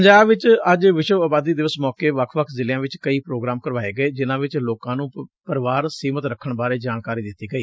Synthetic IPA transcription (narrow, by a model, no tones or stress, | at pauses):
əɲd͡ʒaːbʋɪt͡ʃəd͡ʒʋɪʃəʋaːbaːd̪iːd̪ɪʋəsmɔːkeːʋəkʰʋəkʰzɪljãːʋɪt͡ʃkəiːpɾoːɡɾaːmkəɾʋaːeːɡəeːd͡ʒɪnãːʋɪt͡ʃloːkãːnũːpəɾʋaːɾsiːmət̪ɾəkʰːəɳbaːɾeːd͡ʒaːnkaːɾiːd̪ɪt̪ːiːɡəiː